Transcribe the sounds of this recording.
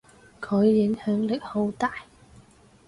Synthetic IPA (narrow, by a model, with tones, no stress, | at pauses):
kʰɵ˨˧jːɪ˨˥ŋhœː˨˥ŋlɪ˨˩k̚ho˨˧˥wt̪aː˨j